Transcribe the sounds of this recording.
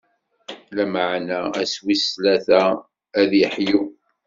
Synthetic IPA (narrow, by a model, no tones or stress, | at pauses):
læməʕnææswislæθæ | æðjəħju